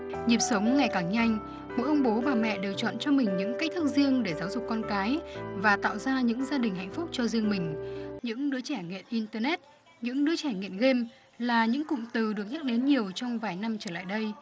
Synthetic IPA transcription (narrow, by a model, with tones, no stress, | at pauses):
zi˨˩əp̚sə˨˦wŋ͡mŋa˨˩jkaː˧˩ŋɲa˧jŋ̟ | mo̰˧˨˦jʔə˧wŋ͡mɓo˨˦vaː˨˩mɛ̰˧˨ɗe˨˩wt͡ɕɔ̰˧˨nt͡ɕɔ˧mï˨˩ŋ̟ɲɨ̰˧˥ŋka˦˥k̚t̪ʰɨ˦˥k̚zi˧əŋɗe˧˩zaː˨˦wzʊ˨˩k̚ːɔ˧nkaː˨˦jvaː˨˩t̪a̰ː˧˨wzaː˧ɲɨ̰˧˥ŋzaː˧ɗï˨˩ŋ̟ɦa̰˧˨jŋ̟fʊ˦˥k͡p̚t͡ɕɔ˧zi˧əŋmï˨˩ŋ̟ɲɨ̰˧˥ŋɗɨ˨˦t͡ɕɛ˧˩ŋḭ˧˨ənʔi˧nt̪ə˧nɛ˦˥t̚ | ɲɨ̰˧˥ŋɗɨ˨˦ət͡ɕɛ˧˩ŋḭ˧˨ənɣe˧m | laː˨˩ɲɨ̰˧˥ŋkʊ̰˧˨ŋ͡mt̪ɨ˨˩ɗɨ˨˩ək̚ɲa˦˥k̚ɗe˨˦nɲi˨˩əwt͡ɕɔ˧wŋ͡mvaː˨˩jna˧mt͡ɕəː˧˩la̰ː˧˨jɗə˧j